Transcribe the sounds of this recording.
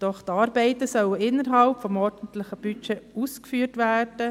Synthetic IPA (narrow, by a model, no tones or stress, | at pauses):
d̥ɔχt̪ɑːɾbɛɪt̪əsœwəɪnːəɾɦɑlpfɔmɔɾd̥n̩tlɪχəb̥yt͡ʃɛuːskfyːɾtʋæːrd̥ə